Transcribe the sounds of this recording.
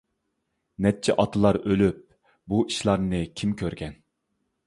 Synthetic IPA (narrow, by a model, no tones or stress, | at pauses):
nɛt͡ʃʰːɛʔɑt̪ʰɨlˠɑɾølyp̚ | buiʃlˠɑɾnɨkʲʰimkʲʰøɾɡʲɛn